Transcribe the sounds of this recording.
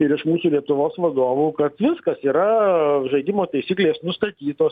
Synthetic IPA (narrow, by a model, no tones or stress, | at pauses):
ɪɾɪʃmuːsulʲiɛt̪ʊʋoːsʋɐd̪oːʋuːkɐt̪ʋʲɪskɐsiːɾɐʒɐɪd̪ʲɪmoːt̪ɐɪsʲiːklʲeːsnʊst̪ɐt̪ʲiːt̪oːs